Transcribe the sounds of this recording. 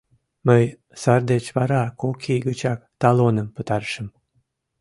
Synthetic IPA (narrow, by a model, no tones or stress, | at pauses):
məj | sɑrd̪et͡ɕβɑɾɑkokʰiɡət͡ɕɑk̚t̪ɑlonəmpət̪ɑrʃəm